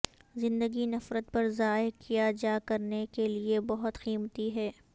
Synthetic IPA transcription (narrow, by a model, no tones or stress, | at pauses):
zɪ̃nd̪əɡinɐfɾət̪̚pɐɾzaːekʰijad͡ʒaːkɐɾnekeliebɐɦʊt̪xiːmət̪iɦɛː